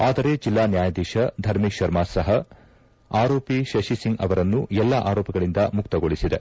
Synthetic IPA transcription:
aːd̪ɐɾe̞d͡ʒilːaːnjaːjɐd̪iːʃɐd̪ʱɐɾmiʃɐɾmaːsɐɦɐ | aːɾoːpiʃɐʃisiŋɡɐ̰ʋɐɾɐnːuɛlːaʔaːɾɔːpɐɡɐɭind̪ɐmukt̪ɐɡo̞ɭisid̪e̞

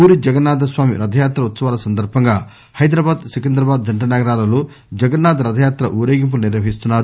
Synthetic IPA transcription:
uːɾid͡ʒɐɡɐnːaːd̪ɐsʋaːmḭɾɐd̪ʱɐjaːt̪ɾɐʋut̪ːsɐʋaːlɐsɐnd̪ɐɾbʱɐŋɡaː | hɐjd̪ɾɐbaːd̪sikend̪ɾɐbaːd̪̚d͡ʒɐɳʈɐnɐɡɐɾaːlɐloː | d͡ʒɐɡɐnːaːd̪ɐɾɐd̪ʱɐjaːt̪ɾɐ̰ʔuːɾeːɡimp̬uluniɾʋɐɦist̪unːaːɾu

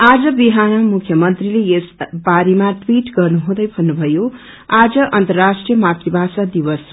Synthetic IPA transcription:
ad͡zʌbiɦanʌmukʰjʌmʌnt̪rilejesbaɾimaʈwiʈɡʌrnuɦũd̪ʌjbʱʌnːubʱʌjo | ad͡zʌʔʌnt̪ʌrasʈrijʌmat̪ribʱasad̪iwʌs

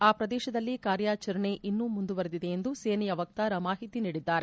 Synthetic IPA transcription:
aːpɾɐd̪ɛːʃɐd̪ɐlːikaːɾjaːt͡ʃɐɾɐɳe̞ʔinːumund̪uʋɐɾed̪id̪e̞end̪useːnɛjɐʋɐk̚t̪aːɾɐmaːɦit̪iniːɽid̪ːaːɾe

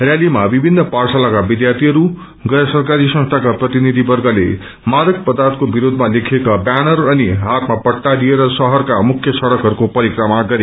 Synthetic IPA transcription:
rjalimabibʱinːʌparsalakabid̪jart̪ʰiɦʌɾu | ɡʌjʌsʌrkaɾisʌ̃sʈ̪ʰakaprʌt̪inid̪ʱibʌrɡʌlḛ | maɾʌk̚pʌd̪art̪̚kobiɾod̪ʱmalekʰekabanʌrʌniɦat̪mapʌʈʈːadieɾʌsʌɦʌrkamukʰːjʌsʌɽʌkɦʌɾukopʌɾikrʌmaɡʌɾe

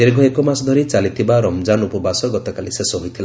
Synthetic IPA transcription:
eɾɡʱɔekɔmasɔd̪ʱɔɾit͡ʃalit̪ʰibaɾɔmd͡ʒanupɔbasɔɡɔt̪ɔkalisesɔɦojt̪ʰila

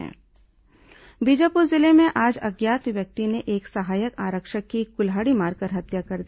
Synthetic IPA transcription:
ɛ̰̃ː | bid͡ʒapʊɾzɪlemẽʔaːd͡ʒɐɡjaːt̪ʋjɐk̚t̪ineʔeːksɐɦaːjəkaːɾəkʃəkːikʊlɦaːɽimaːɾkəɾɦɐt̪jakɐɾd̪i

